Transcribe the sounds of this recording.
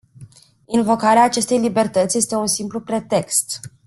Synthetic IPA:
invo̞kaɾeaːt͡ʃe̞st̪e̞jlibe̞rt̪ət̪sʲje̞st̪e̞unsimplupɾe̞t̪e̞kst̪

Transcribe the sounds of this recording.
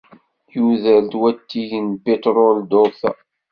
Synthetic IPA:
juðəlt̪wæt̪ːiʝnpet̪ɾold̪oθ

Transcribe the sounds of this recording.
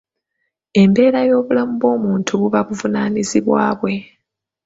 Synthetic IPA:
e̞mbe̞ːɾajo̞ːβulamuβo̞ːmuːntʰuβuβaβuvunaːniziβwa̰ːβwe̞

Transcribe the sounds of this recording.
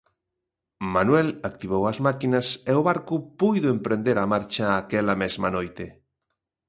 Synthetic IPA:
manwɛlak̚t̪iβ̞owɐzmakinɐseʊβaɾkʊpujðʊempɾend̪eɾɐmaɾt͡ʃɐːkelɐmezmɐnojt̪ɪ

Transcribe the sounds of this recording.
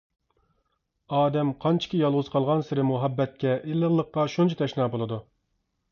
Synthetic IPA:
ɑːd̪ɛmqʰɑnt͡ʃʰi̥kʲijɑlˠʁʊz̥qʰɑlˠʁɑnsɪɾɪmuɦɛbːɛt̪̚kʲɛʔilːəɾlˠːəqːɑʃunt͡ʃʰit̪ʰɛʃnɑːbolˠɨd̪u

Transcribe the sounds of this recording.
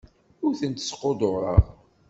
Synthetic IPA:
ʊɾθənt̪ə̥sqod̪ˤoɾˤəʁ

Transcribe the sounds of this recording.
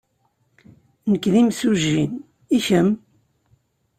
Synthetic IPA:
nəkːðimsuʒːin | içəm

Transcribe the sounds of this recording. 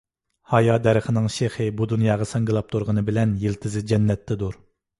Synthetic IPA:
hɑjɑd̪ɛɾəχənɨŋʃeχɨbud̪unjɑːʁɑsɑŋɡʲilˠɑp̚t̪ʰuɾʁənɨbɪlɛnjelt̪ʰɪzɪd͡ʒɛnːɛt̪ʰːɛd̪uɾ

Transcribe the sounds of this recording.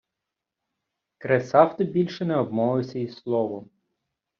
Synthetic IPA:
kɾesɑwt̪ɪbʲilʲʃɛnɛɔb̚mɔʋɪsʲɐislˠɔʋʊ

